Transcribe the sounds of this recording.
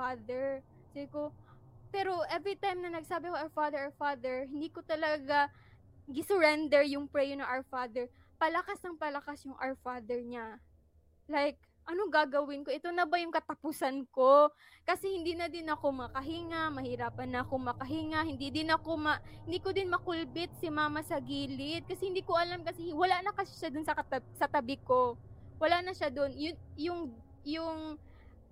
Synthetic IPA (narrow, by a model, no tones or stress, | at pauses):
ad̪ɛɹ | siɡɪko | pɛɾo̞ʔɛvɹit̪ajmnɐnɐɡsaːbɪkoʔaɹfad̪ɛɹaɹfad̪ɛɹhɪnd̪iːkot̪ɐlɐɡa | ɡɪsʊɹɛnd̪ɛɹjʊŋpɹɛjɛnɐʔawfad̪ɛɹ | pɐlɐkasnɐŋpɐlɐkasjʊŋʔa̰wɹfad̪ɛɹɲa | lajk̚ | ʔɐnoɡaːɡɐwɪnko̞ʔɛt̪onɐbɐjʊŋkɐt̪ɐpusɐnko̞ | kɐsɛhɪnd̪iːnɐd̪ɪnɐko̞mɐkɐɦɪŋamɐhɪɾaːpɐnːɐʔɐko̞mɐkɐɦɪŋahɪnd̪id̪ɪnɐko̞mɐhɪnd̪iːkod̪ɪnmɐkʊlbɪt̪̚sɪmaːmɐsɐɡiːlɪt̪̚kɐsɛhɪnd̪iːkoʔɐlamkɐsɛwɐlanɐkɐsʃad̪ʊnsɐɐt̪ɐsɐt̪ɐbɪko̞wɐlaʔnɐʃad̪onjʊnjʊŋ | jʊŋ